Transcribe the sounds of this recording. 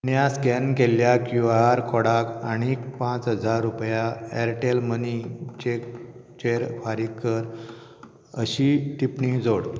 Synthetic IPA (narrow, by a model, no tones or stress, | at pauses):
njaskɛnkeljakjuʋaɾkʰɔɽakaɽ̃ikpãt͡sɦəd͡zaɾːupjaeɾʈelmənit͡ɕekt͡ɕeɾfaɾikːəɾ | əɕiʈ̪ipɳid͡zoɽ